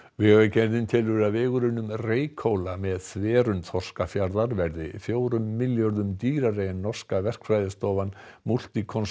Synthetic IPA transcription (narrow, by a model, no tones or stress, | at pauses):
vɪɣacɛnðɪnt̪ʰɪlvʏɾavɪːɣʏɾʏnːʏmreːjkʰowlamɛðθvɛːɾʏnθʰɔr̥skafjaɾðaɾvɛɾðɪfjoːwɾʏmːɪljœɾðʏmt̪iːɾarejɛnːɔr̥skavɛr̥kfajðɪst̪ɔːvanmul̥t̪ikʰɔns